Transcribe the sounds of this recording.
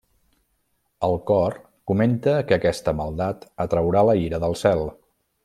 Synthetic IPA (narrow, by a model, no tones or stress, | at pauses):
əlˠkɔr | kument̪əkəːkɛst̪əməlˠd̪at̪ət̪ɾəwɾaləiɾəðəlˠsɛlˠ